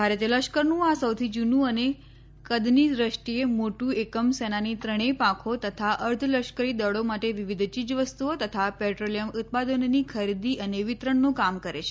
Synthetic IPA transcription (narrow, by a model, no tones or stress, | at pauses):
bʱaɾet̪iləʃkəɾnũasəwt̪ʰid͡ʒunũəne | kəd̪niɾəʂʈiemoʈũekəmsɛnanit̪ɾəɽ̃epãkʰot̪ət̪ʰaʔəɾt̪ʰləʃkəɾid̪əɽomaʈeʋiʋid̪ʱt͡ʃid͡ʒʋəst̪uot̪ət̪ʰapɛʈɾolijəmʊt̪̚pad̪ənnikʰəɾid̪iʔəneʋɪt̪ɾəɳːõkamkəɾet͡ʃʰe